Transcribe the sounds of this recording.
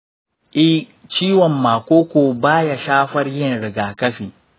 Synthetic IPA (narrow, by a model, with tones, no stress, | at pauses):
ʔɪ˦ht͡ʃiː˦wɔ˨mːaː˨kʷoː˦kʷoː˨baː˦ja˨ʃaː˦ɸɐ˦rjɪ˦˨nɽɪ˨ɡaː˨kɐ˦ɸiː˨